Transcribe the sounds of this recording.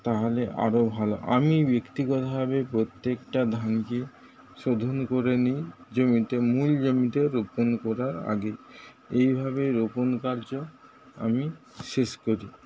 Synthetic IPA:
t̪aɦoleʔa̰ɾobʱaloʔa̰mibekt̪iɡɔt̪aɦabepɾot̪ːekʈad̪ʱanke | ʃod̪ʱonkoɾenid͡ʑomit̪emuld͡ʑomit̪eɾoponkɔɾaɾa̰ɡe | ejbʱabeɾoponkaɾd͡ʑo | a̰mi | ʃeʃkoɾi

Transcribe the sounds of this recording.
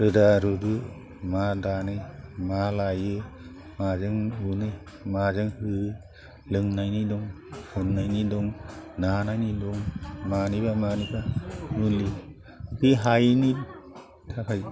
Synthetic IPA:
ɾɯdaɾudu | madanɯjmalajɯ | mazɯŋunɯ | mazɯŋhɯ | lɯŋnajnidɔŋ | hunːajnidɔŋnanajnidɔŋmanibamanibaunli | kɯɦajni | tʰakʰaj

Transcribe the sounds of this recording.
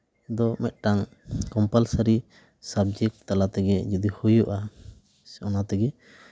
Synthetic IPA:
d̪ɔmɛt̪̚ʈaŋ | kɔmpalsaɾi | sabd͡ʒɛk̚ʈt̪alat̪ɛɡɛd͡ʒɔd̪ihujuʔa | ɔnat̪ɛɡɛ

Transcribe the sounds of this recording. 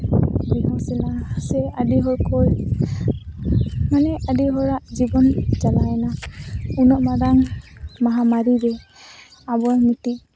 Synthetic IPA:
bihɔsɛnasɛadiɦɔjkʰɔj | manɛʔadiɦɔɹaʔd͡ʒibɔnd͡ʒalajnaunɔʔmadaŋmaɦamaɾidɛ | abɔɹmutiʔ

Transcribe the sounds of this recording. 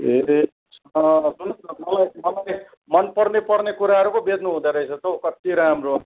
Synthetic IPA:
ɦeɾi | sʌʌsunʌnʌmʌlajmʌlaj | mʌnpʌrnepʌrnekuɾaɦʌɾukobed̪nuɦũd̪aɾʌjt͡sʰʌt̪ʌkʌt̪iɾamro

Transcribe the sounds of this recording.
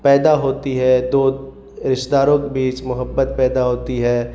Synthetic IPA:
pɛːd̪aɦoːt̪iɦɛːd̪oːd̪ | ɾɪʃd̪aːɾõkebiːt͡ʃmʊɦəbːət̪pɛːd̪aɦoːt̪iɦɛː

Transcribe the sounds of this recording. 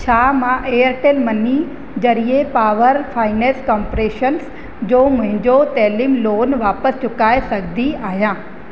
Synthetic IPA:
t͡ɕʰaːmãʔejəɾʈeːlmɐni | d͡ʑɐɾiepaːʋəɾfaːɪneːskɔːmpɾeːʃəns | d͡ʑoːmʊ̃ɦɪ̃ɲd͡ʑot̪ɛːliːmloːnʋaːpəst͡ɕʊkaːesɐɡʱd̪ʱiaːɦijãː

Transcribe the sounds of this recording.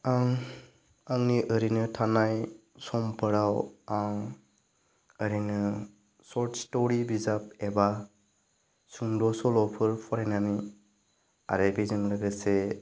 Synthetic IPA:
aŋ | aŋniʔɯɾinɯtʰanaj | sɔmpʰɯɾawaŋ | ɯɾinɯ | sɔɾtstɔɾibizap̚eba | suŋdɔsɔlɔpʰɯɾpʰɔɾanani | a̰ɾebizɯŋlɯɡɯse

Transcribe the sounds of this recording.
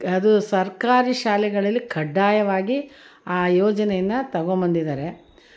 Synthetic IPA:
ɐd̪usɐɾkaːɾiʃaːlɛɡɐɭɐlːikʰɐɖːaːjɐʋaːɡiaːjɔːd͡ʒɐnɛjɐnːɐt̪ɐɡombɐnd̪id̪aːɾe̞

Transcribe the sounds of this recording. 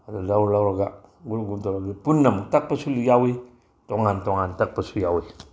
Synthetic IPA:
alulauɾlauɾaɡaɡuɾuɡunt̪olaɡipunːamut̪ak̚pasulijawi | t̪oŋant̪oŋant̪ak̚pasujawi

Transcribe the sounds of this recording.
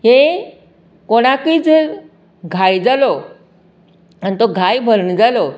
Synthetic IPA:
ɦe | koɽ̃akiːd͡zəɾ | ɡʱajd͡zalo | anit̪oɡʱajbʱəɾnd͡zalo

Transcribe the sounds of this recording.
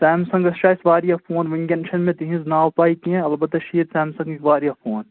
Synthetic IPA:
sɛːmsɐ̃ŋɡɐsʃaːsʋaːɾijafʰoːnʋɪ̃ŋɡɐnʃɐnmẽt̪iɦĩznaːʊpaːikiẽɐlbɐt̪ːɐʃiːt̪sɛ̃ːmsɐ̃ŋɡekʋaːɾijafʰoːn

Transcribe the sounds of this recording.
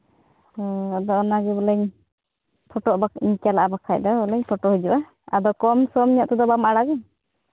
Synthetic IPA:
ɔɔd̪ɔɔnaɡɛbɔlɛɲ | pʰɔʈɔʔbaiɲt͡ʃalaʔabakʰac̚d̪ɔbɔlɛɲpʰɔʈɔhud͡ʒɔʔa | a̰d̪ɔkɔmsɔmɲaʔt̪ɔd̪ɔbamʔaɽaɡɛ

